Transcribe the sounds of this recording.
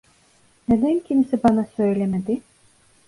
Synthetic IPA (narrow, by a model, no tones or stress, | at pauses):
ned̪ænkʰʲimsibɑnasøjlʲɛmed̪ɪ